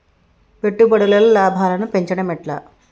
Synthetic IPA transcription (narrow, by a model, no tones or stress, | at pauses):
pe̞ʈːubɐɽulɐlɐlaːbʱaːlɐnupe̞ɲt͡ʃɐɽɐmiʈlɐ̰